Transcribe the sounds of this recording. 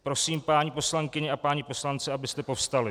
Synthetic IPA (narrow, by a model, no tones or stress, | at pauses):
pɾo̞siːmpaːɲipo̞slaŋkɪɲɛʔapaːɲipo̞slant͡sɛabɪst̪ɛpo̞fst̪alɪ